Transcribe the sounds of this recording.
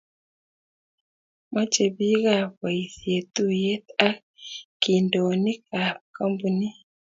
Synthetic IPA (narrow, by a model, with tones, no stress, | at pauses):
mɔ˦t͡ʃe˨bi˦ɡa˦˨pa˨i˨sje˨t̪u˦je˦t̪a˦ | ki˨ndo˨nɪ˦ka˨kɔ˦mbu˨ni˦